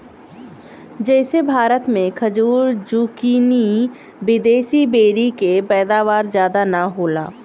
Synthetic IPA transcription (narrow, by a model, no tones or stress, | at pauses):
d͡ʒɛːsebʱaːɾət̪mẽkʰɐd͡ʒuːɾd͡ʒuːkiːni | bɪd̪eːsibeːɾikepɛːd̪aːʋaːɾzjaːd̪anaɦoːla̰ː